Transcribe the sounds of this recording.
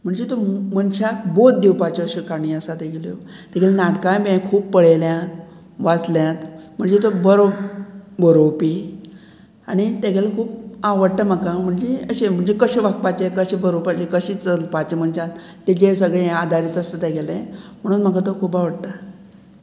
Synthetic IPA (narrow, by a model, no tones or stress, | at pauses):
m̤əɳd͡zet̪omənɕakbot̪d̪iwpat͡ɕɔəɕekʰaɽ̃iəsat̪eɡeljot̪eɡelenaʈkãjbẽkʰuːbpːəɽeljat̪ | ʋat͡sljãt̪m̤əɳd͡zet̪obəɾo | bəɾopi | aɽ̃it̪aɡelekʰuːpaʋəɽt̪amakam̤əɳd͡zeəɕem̤əɳd͡zekəɕeʋak̚pat͡ɕekəɕebəɾopad͡ʑekəɕit͡səlpat͡ɕem̤əɳɕãt̪ | t̪ːid͡ʑesəɡɭead̪ʱaɾiːt̪əsət̪aɡelẽm̤əɽ̃uːnm̤əɡat̪okʰuːpaʋəɽt̪a